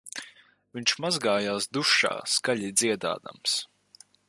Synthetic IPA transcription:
viɲʃmazɡaːjaːsd̪uʃa̰ːskaʎʲid̪ziɛd̪a̰ːd̪a̰ms

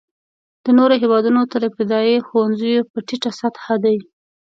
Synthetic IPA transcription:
d̪̥ənoɾoɦewɑd̪unot̪əɾəp̚t̪ɪd̪ɑjexowanzəjopəʈiʈasat̪had̪awi

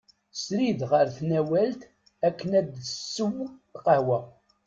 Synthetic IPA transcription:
sɾiðʁəɾθnæwælt̪ | ækːənæd̪sːəwqəhwæ

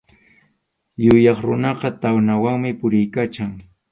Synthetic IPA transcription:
jʊjɑχɾʊnɑqɑt̪awnawaŋmɪpʊɾɪjkat͡ʃaŋ

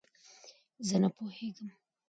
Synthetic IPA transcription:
zənapoheɡəm

